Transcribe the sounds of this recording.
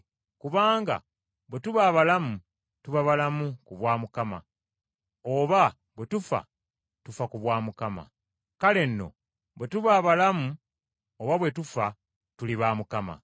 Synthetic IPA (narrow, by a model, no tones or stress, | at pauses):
kuβaːŋɡa̰ | βwe̞tuβaβalamu | tuβaβalamukuβwaːmukama̰ | oβa | βwe̞tufa̰ | tufakuβwaːmukama̰ | kale̞nːo̞̰ | βwe̞tuβaβalamu | oβaβwe̞tufa | tuliβaːmukama̰